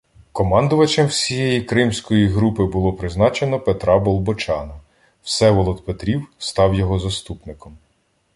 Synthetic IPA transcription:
kɔmɑnd̪ʊʋɐt͡ʃemwsʲijɛjikɾɪmsʲkɔjiɦɾupɪbʊlˠɔpɾɪznɑt͡ʃe̞nɔpet̪ɾɑbɔlˠbɔt͡ʃɑnɐ | wsɛʋɔlˠɔt̪̚pet̪ɾʲiwst̪ɑwjɔɦɔzɐst̪upnɪkɔm

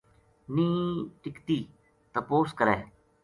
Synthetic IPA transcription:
nĩːʈɪkt̪iː | t̪əpoːskəɾɛː

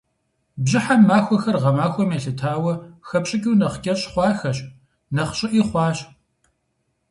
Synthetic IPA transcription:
bʑɪħamːaːxʷɔxɐrʁɐmaːxʷɔmeːɬɨtʰaːwɐxɐpɕʼɪkʲʼiwnɐχkʲʼɐɕʼχʷɑːxɐɕ | nɐχɕʼɪʔiːχʷɑːɕ

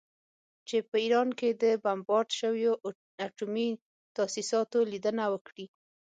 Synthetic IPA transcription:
t͡ʃepəiɾɑnked̪əbambɑɾd̪ʃəwjo | aʈumi | t̪asisɑt̪olid̪ənawəkɽi

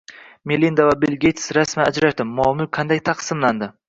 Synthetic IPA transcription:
melind̪avabelɡʲet̪ʰsɾasmaad͡ʒɾaʃd̪ɪmːɒmʊqʰand̪ajt̪ʰɑqsɪmland̪ɪ

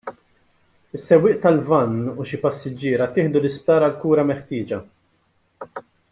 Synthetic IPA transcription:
ɪsːɛwːɪːʔt̪ɐlvɐnːuʃipɐsːɪd͡ʒːɪːɾɐt̪ɪːħd̪ulɪsp̚t̪ɐːɾɐlkuːɾɐmɛħt̪ɪːd͡ʒɐ

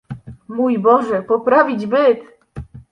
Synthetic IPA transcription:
mujbɔʐɛpɔpɾavʲid͡ʑbɘt̪

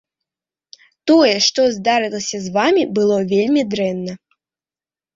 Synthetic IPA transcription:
t̪ɔjɛʂt̪ɔzd̪aɾɨlˠɐsʲɐzvamʲibɨlˠɔvʲelʲmʲid̪ɾɛnːɐ

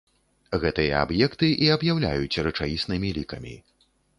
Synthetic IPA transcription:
ɣɛt̪ɨjɐa̰bjɛkt̪ɨʔiɐbjawlʲa̰jut͡sʲrɨt͡ʂavʲisnɨmʲilʲikɐmʲḭ

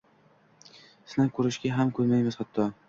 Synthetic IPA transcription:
snakʰɵɾɪʃɡʲaɦamkʰɵɾmajmɪz̥χat̪ʰːɒ

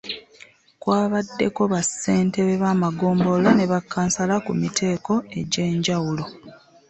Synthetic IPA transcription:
kwaːβadːe̞ko̞βasːe̞ːnte̞βeβaːmaɡo̞ːmbolane̞βakːaːnsalakumitʰe̞ːko̞e̞ɟe̞ːɲɟawulo̞

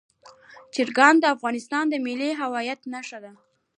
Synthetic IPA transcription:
t͡ʃɪɾɡɑnd̪əafɣɑnɪst̪ɑnd̪əmiliɦawɑjat̪naʃad̪a

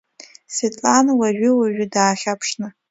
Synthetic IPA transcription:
svetʼlanwaʒʊwaʒʷᶣʏdaːχʲapʰʂnɨ

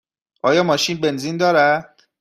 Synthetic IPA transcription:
ʔɒːjɒːmɒːʃiːnbenziːnd̪ɒːɾæ̥

